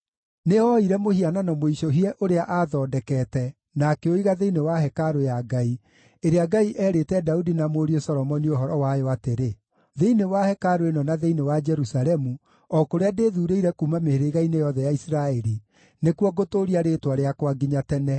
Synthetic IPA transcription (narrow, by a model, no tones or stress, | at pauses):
neɔiɾɛmohiananɔmoiʃoɦiɛʔoɾeaʔaðɔːdɛkɛːtɛ | nakɛoiɣaðeinewaɦɛkaɾojaɡai | eɾeaɡaiʔɛːɾetɛdaudinamoːɾiosɔɾɔmɔnioɦɔɾɔwajɔateɾe | ðeinewahɛkaɾoenɔnaðeinewad͡ʒɛɾusalɛmu | ɔkoɾeadeːðuɾeiɾɛkumameheɾeɣainejɔðɛjaisiɾaɛɾi | nekuɔɡotoːɾiaɾeːtwaɾeakwaɡiɲatɛnɛ